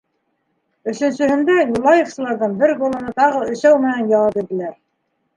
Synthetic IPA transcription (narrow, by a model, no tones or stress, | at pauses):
ɵ̆sɵ̆nsɵ̆hɘ̆nd̪æjulˠɑjefsɤ̆lˠɑɾðɤɴbɘɾɡolˠŏnɤt̪ɑʁɤɵ̆ʃæwmɘ̆nænjɑlˠɤp̪it̪ɘ̆læɾ